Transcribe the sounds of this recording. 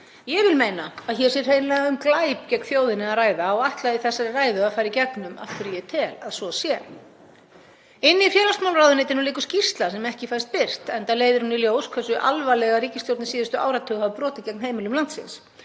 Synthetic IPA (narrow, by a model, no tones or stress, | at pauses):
jɛɣvɪlmeːjnaaðçɛɾsɛɾ̥heːjnlɛɣaʏmklaːjp̚cɛkn̥θjoːwðɪnɪaðraːjðaɔɣaht̪laðiθɛsːaɾɪraːjðʏaðfaːjɾicɛknʏma̰fk̪ʏɾijɛt̪ʰɛːlaðsɔsjɛ | ɪnːɪifjɛːɾast̪mawlraːwðɪnɪt̪̬ɪɾnulɪːkʏ̥scir̥st̪lasɛmɛhcɪfajst̪̚pɪr̥t̪ɛnt̪aleːjðɪɾ̥huniljoːwskʰvɛsːʏʔa̰lvalɛɣaɾiːcɪst̪jowɾt̪nɪsiːðʏst̪ʏa̰ːwɾat̪ʰːœːɣhavpɾɔːt̪ɪðcɛk̚nheːjmɪlʏmlant̪sɪ̰ns